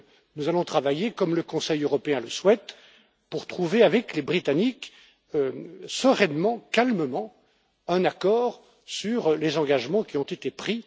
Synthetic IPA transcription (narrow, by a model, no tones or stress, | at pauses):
nuzalɔ̃t̪χavajekɔmləkɔ̃sɛjøʁɔpeɛ̃ləswɛt̪ | puʁt̪χuveavɛklebʁit̪anik | øsəʁɛnmɑ̃kalməmɑ̃ | ɛ̃nakɔːʁ | syʁlezɑ̃ɡaʒmɑ̃kʲiɔ̃t̪et̪epχi